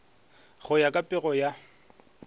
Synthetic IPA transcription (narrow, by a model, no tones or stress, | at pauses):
ɣʊjakʼapʼɪɣɔja